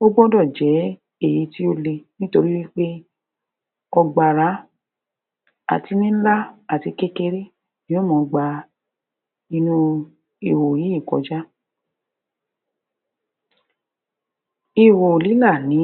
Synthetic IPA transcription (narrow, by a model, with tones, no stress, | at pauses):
o˦ɡ͡bɔ̃˦dɔ˦˨d͡ʒɛ˨˦ | e˦˨ji˨˧˦ti˦o˦le˧nĩ˦to˧ɾi˦wi˦k͡pe˦ | ɔ˧ɡ͡ba˨ɾa˨˦ | a̰˨ti˧nĩ˦n̩˦la˦a˨ti˧ke˦ke˧ɾe˦ | nĩ˦o˦˨mɔ̃˨˧ɡ͡ba˧ | i˧nũ˧ | i˨wo˨ji˨˦i˦˨kɔ̰˨˧d͡ʒa˦ | i˨wo˨li˨˦la˦˨nĩ˨˦